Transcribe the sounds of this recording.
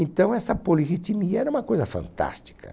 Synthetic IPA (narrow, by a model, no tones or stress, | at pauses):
ẽnt̪ɐ̃w̃ɛsɐpoliɣit̪imiɐɛɾɐũmɐkojzɐfɐ̰̃nt̪a̰st͡ʃi̥kɐ̰